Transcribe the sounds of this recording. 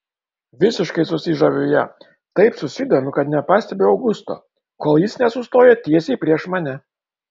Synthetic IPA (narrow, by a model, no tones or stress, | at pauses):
ʋʲɪsʲɪʃkɐɪsʊsʲɪʒɐʋʲoːjɛ | t̪ɐɪpsʊsʲɪd̪ʲoːmʲʊkɐt̪nʲɛpɑːsʲt̪ʲɛbʲeɐʊɡʊst̪o̰ː | koːlˠjɪsnʲɛsʊst̪oːjɛt̪ʲiɛsʲɛɪpʲɾʲiɛʃmɐnʲɛ